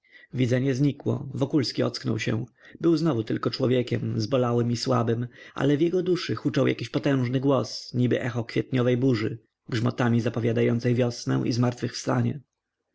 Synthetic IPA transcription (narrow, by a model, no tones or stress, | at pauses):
vʲid̪zɛɲɛzɲikwɔ̰vɔkulskʲiɔt̪sknɔ̰wɕɛ̰̃bɘwznɔvut̪ɘlkɔt͡ʂwɔvʲjɛkʲɛmzbɔlawɘmiswa̰bɘmʔa̰lɛvjɛɡɔd̪uʂɘxut͡ʂawja̰kʲiɕpɔt̪ɛ̃w̃ʐnɘɡwɔsɲibɘ̰ʔɛxɔkfʲjɛt̪̚ɲɔvɛjbuʐɘ̰ | ɡʐmɔ̰t̪amʲizapɔvʲjad̪ajɔnt̪sɛjvʲjɔsnɛ̰̃ʔḭzmaɾt̪fɘxfst̪aɲɛ̰